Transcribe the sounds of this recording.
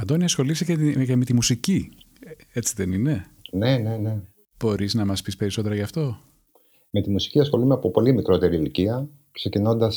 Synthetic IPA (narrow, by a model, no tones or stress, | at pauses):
ɐnd̪oniɐsxo̞lisicecemet̪imusici | e̞t͡siðe̞nine̞ | ne̞ne̞ne̞ | b̥o̞ɾiznɐmɐspispe̞ɾiso̞t̪e̞ɾɐʝɐːft̪o̞ | me̞t̪imusi̥ciɐsxo̞lumeɐpopo̞limikɾo̞t̪e̞ɾiliciɐ | kse̞cino̞nd̪ɐs